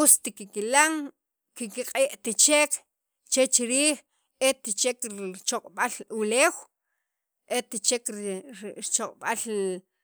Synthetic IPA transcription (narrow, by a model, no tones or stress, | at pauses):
ust̪ikikilaŋ | kikiqʼeːʔt̪it͡ʃek | t͡ʃet͡ʃiɾiːχ | et̪it͡ʃekɾit͡ʃoqʼɓaluleːw | ʔet̪it͡ʃekɾɾɾit͡ʃoqʼɓal